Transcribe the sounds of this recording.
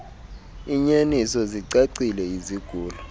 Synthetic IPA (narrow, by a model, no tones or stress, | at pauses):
iɲenisɔziǀeǀilɛiziɡ̥ʱuːlɔ